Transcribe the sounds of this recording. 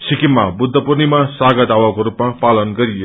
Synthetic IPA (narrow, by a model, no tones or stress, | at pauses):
sikimːabud̪ʱːʌpurnimasaɡʌd̪ʱawakoɾupmapalʌnɡʌɾijo